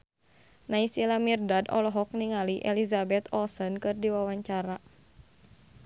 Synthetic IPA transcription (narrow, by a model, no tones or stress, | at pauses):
naisilamirdadɔ̰lɔɦɔk̚niŋaliʔɛlizabɛt̪ɔlsɔnkɨrdiwawaɲt͡ʃaɾa